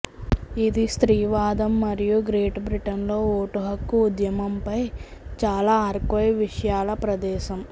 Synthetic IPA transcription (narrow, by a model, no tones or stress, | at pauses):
id̪ist̪ɾiːʋaːd̪ɐmːɐɾijuɡɾeːʈbɾiʈɐnlo̞ːoːʈuɦɐkːuːd̪jɐmɐmpɐjt͡ʃaːlaːɐɾkʋɐjʋiʂɐjaːlɐpɾɐd̪ɛːʃɐm